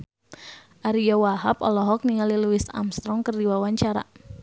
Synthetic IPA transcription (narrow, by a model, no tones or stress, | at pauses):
ʔaɾijɔwaɦapɔ̰lɔɦɔk̚niŋaliluisa̰mst̪ɾɔŋkərdiwawaɲt͡ʃaɾa̰